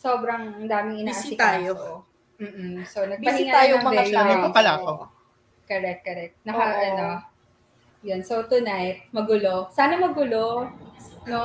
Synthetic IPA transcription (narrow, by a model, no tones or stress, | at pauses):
so̞bɾɐŋɐd̪aːmɪŋʔɪnːkɐsɪt̪ajo | m̩ːʔ̩sonɐɡ̚pɐnɪiŋaaːjoɐmɐd̪ɛajaaɐpɐlaɐko | kɐɾɛk̚t̪̚kɐɾɛk̚t̪̚nɐkɐɐno | jonsot̪ʊnajt̪̚mɐɡʊlo̞saːnɐmɐɡʊlo | no